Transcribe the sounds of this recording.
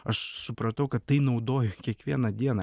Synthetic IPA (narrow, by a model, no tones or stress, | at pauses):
ɐʃsʊpɾɐt̪ɐʊkɐt̪ːɐɪnɐʊd̪oːjʊkʲiɛkʋʲiɛnɐd̪ʲiɛnɐ